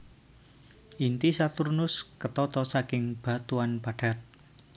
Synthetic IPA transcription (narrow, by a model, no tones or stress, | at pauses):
ʔint̪isat̪urnʊskət̪ɔt̪ɔsakɪŋb̥ä̤t̪uanpaɖ̥a̤t̪̚